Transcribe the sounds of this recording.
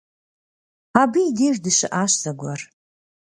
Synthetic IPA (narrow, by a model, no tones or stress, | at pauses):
abiːdeʒdɨʃa̰ʔaʃsaɡʷar